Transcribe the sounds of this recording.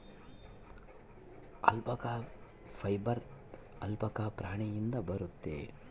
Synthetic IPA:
ɐ̰lpɐkaː | pʰɐjbɐɾ | ɐlpɐkapɾaːɳijind̪ɐbɐɾut̪ːḛː

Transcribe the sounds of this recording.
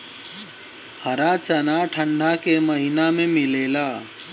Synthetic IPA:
həɾat͡ʃənaʈʰə̃ɳɖʱakeməɦinamẽmɪleːlaː

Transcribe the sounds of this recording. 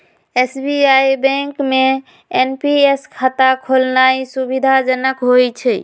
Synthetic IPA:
esbiajbɛ̃ŋkme | enpieskʰat̪akʰolnaisubid̪ʱad͡ʒənəkɦojt͡ʃʰɛ

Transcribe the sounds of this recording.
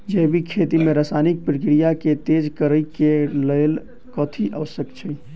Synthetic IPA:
d͡ʒɛːbʱikʰeːt̪imẽɾaːsaːnɪk̚pɾəkɾijaket̪eːd͡ʒkəɾəikeleːl | kɔːt̪ʰiʔəʋəsjəkt͡ʃʰi

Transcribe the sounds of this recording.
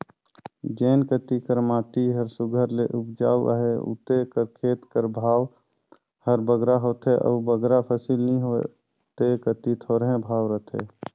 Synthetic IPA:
d͡ʒeːnkət̪ikəɾmaːt̪iɦəɾsʊɡʱəɾlḛʔupd͡ʒa̰ːwə̰ɦeṵt̪ekəɾkʰeːt̪kəɾbʱaːw | həɾbəɡɾaɦot̪ɦeʔə̰ːbəɡɾapʰəsilnĩɦo | t̪ekət̪it̪ʰoːɾɦẽbʱaːwɾət̪ʰḛ

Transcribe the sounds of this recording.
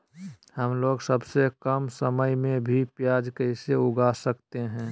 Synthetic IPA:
həmloːɡsəbsekəmsəməjmẽbʱipjaːd͡ʒkəɪseʊɡasəkt̪eɦɛ̃ː

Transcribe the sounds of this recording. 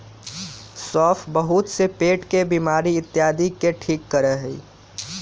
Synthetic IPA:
sɔːpʰbəɦʊt̪sepeːʈkebiːmaːɾiɪt̪ːjaːd̪ikeʈʰiːkːəɾəɦəḭ

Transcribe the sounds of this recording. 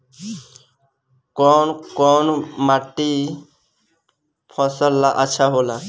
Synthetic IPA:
kɔnkɔnmaʈːi | pʰɔsɔlːaʔat͡ʃʰaɦola

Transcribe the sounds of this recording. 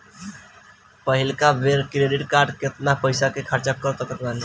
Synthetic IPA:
pəɦilkabeɾkɾeɖiʈkaɾɖket̪napəjsakekʰəɾt͡ʃakəɾt̪əkək̪banʰ

